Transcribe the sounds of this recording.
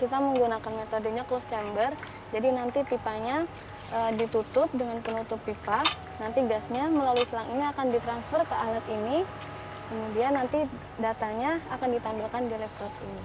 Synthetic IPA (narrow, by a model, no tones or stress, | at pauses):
kit̪aməŋɡunakanmet̪odəɲaklost͡ʃɛmbər | d͡ʒadinant̪ip̪ipaɲa | ʔədit̪ut̪ʊp̚dəŋanpənut̪ʊpːipa | nant̪iɡasɲaməlaluisəlaŋiniakandit̪ɾansfərkəʔalat̪ini | kəmudianːant̪i | dat̪aɲaːkandit̪ambilkandilɛft̪ɔrsḭni